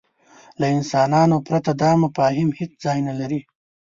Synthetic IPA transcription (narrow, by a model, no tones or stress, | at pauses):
laɪnsɑːnɑnopɾat̪ad̪ɑmafɑːɦɪmhɪt͡szɑjnalaɾi